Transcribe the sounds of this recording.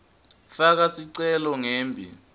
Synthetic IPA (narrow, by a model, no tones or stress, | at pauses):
fak̬asiǀɛlɔŋeːmbʱḭ